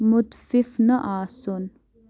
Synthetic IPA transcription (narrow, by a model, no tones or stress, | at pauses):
mut̪fifnəʔaːson